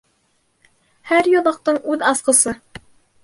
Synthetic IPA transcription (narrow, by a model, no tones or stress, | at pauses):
hæɾjolˠɑq̚t̪ɨɴʉðɑsqəsɤ